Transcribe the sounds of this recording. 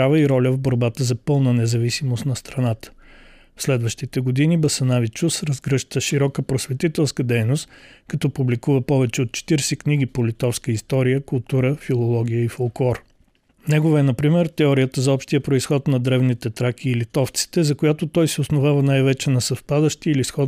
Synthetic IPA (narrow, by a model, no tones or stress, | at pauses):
ɾavəiɾɔlʲəvboɾbat̪əzɐpɤlˠnənɛzɐvisimost̪nɐst̪ɾɐnat̪ə̥ | fslɛd̪vəʃt̪it̪ɛɡod̪inibɐsɐnavit͡ʃusɾɐzɡɾɤʃt̪əʃiɾɔkəpɾosvɛt̪it̪ɛlˠskəd̪ɛjnost̪kɐt̪ɔpublikuvəpɔvɛt͡ʃɛot̪̚t͡ʃɛ̥t̪iɾsɛkniɡ̟ipolit̪ɔfskəist̪ɔɾijəkʊlˠt̪uɾəfilˠolˠɔɡʲijəifolˠklˠɔɾ | nɛɡovəɛnɐpɾimɛɾt̪ɛɔɾijət̪əzɐɔpʃt̪ijəpɾoisxɔt̪nɐd̪ɾɛvnit̪ɛt̪ɾak̟iːlit̪ɔft̪si̥t̪ɛzɐkojat̪ot̪ɔjsɛosnovavənajvɛt͡ʃɛnɐsɐfpad̪əʃt̪iilisxɔ